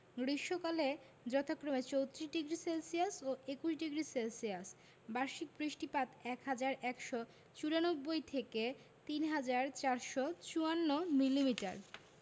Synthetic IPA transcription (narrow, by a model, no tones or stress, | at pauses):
ɡɾiʃokale | d͡ʑɔt̪ʰokːɾomet͡ɕowt̪ɾiɖiɡɾiselsiasoekuʃɖiɡɾiselsias | baɾʃik̚bɾiʃʈipat̪ɛkɦad͡ʑaɾɛkʃɔ | t͡ɕuɾanobːojt̪ʰeke | t̪inɦad͡ʑaɾt͡ɕaɾʃɔt͡ɕuanːomilːimiʈa̰ɾ